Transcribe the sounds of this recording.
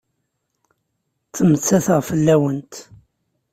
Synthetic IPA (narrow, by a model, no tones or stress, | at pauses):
t͡sːəmət͡sːæθʁfəlːæwənt̪